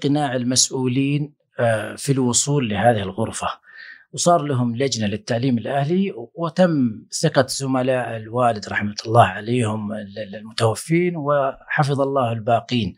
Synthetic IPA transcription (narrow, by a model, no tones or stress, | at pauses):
qɪnaːʕɪlmasʔuːliːn | filwʊsˤuːlːɪhaːðɪhɪlɣʊɾfawsˤɑːɾˤlaɦʊmlad͡ʒnalɪt̪ːaʕliːmɪlʔahliwt̪amːsɪqaz̥ʊmalaːʔɪlwaːlɪd̪ɾˤɑħmat̪lˤːɑːhʕaleːhʊmɪllmʊt̪awafːiːnwɪħɑfɨðˤɑlˤːɑːhɪlbaːqiːn